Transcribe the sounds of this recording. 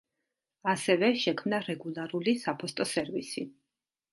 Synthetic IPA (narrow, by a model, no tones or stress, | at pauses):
asɛvɛʃɛkʰmnaɾɛɡulˠaɾulisapʰɔst̪ʼɔsɛɾvisi